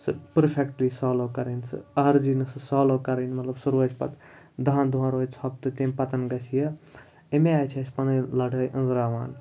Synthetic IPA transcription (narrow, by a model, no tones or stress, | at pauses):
sɨpɐɾpʰekʈlisaːloːkɐɾɐnsɨ̰ɐɾzinɨsɨsaːloːkɐɾɐnmɐt̪lɐbsuɾʋɐt͡ʃʰpɐ̰t̪ | d̪aːnd̪uɦãɾoːjt͡sʰɐp̚t̪ɨt̪emʲpɐt̪ɐnɡɐsʰijɐ | emeaːjt͡ʃʰɐsʲpɐnɐjlɐɽʱɐjʔɐ̃nzɾaːʋaːn